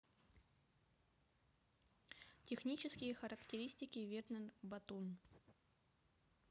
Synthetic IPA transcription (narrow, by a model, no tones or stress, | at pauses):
tʲɪxnʲit͡ɕɪskʲɪjəxəɾəktʲɪɾʲisʲtʲɪkʲɪvʲernʲənbɐt̪un